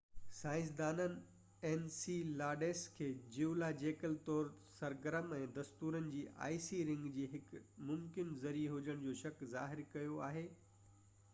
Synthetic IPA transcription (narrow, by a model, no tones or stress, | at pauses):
sãːɪ̃s̬d̪aːnənɪ̆ | ɛːnsilaːɖeːskʰeːd͡ʑiulad͡ʑeːkəlt̪ɔːɾsɐɾɡəɾəmɛ̃ːd̪ɐst̪uːɾənɪ̆d͡ʑiːʔa̰ːisiɾɪ̃ŋɡd͡ʑiːɦɪkmʊmkɪnzɐɾieɦʊd͡ʑəɽ̃d͡ʑoːʃɐkza̰ːɦɪɾkɐjoaːɦeː